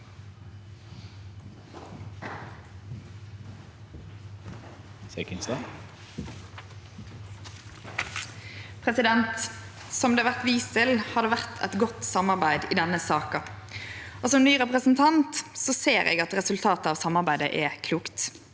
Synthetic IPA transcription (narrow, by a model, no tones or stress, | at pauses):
sekɪnst̪ɑ | pʰʁɛsɪd̪ɛnt̪ | sɔmd̪eːɑʋæʁt̪ʋiːst̪ʰɪlhɑd̪əʋæʁt̪ʰɛt̪ɡɔt̪sɑmɑʁbæɪd̪iːd̪ɛnəsɑːkɑ | oːsɔmnyːʁɛpʁəsn̩t̪ʰɑnt̪sɔseːʁɛ̰ɡɑt̪ʁɛsʉlt̪ʰɑːt̪əɑːʋsɑmɑʁbæɪd̪əʔɛkʰluːkt̪